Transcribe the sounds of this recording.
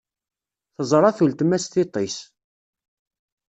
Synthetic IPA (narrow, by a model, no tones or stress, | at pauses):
θəzˤɾˤɑθult̪mæsθit̪ˤːis